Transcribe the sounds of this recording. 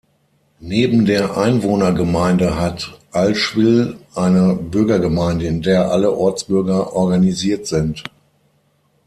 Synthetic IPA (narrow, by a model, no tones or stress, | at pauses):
neːbm̩deːɐʔaɪnvoːnɐɡəmaɪndəɦatʔalʃv̥ɪlʔaɪnəbʏɐɡɐɡəmaɪndəɪndeːɐʔaləʔɔɐt͡sb̥ʏɐɡɐʔɔɐɡaniziːɐtz̥ɪnt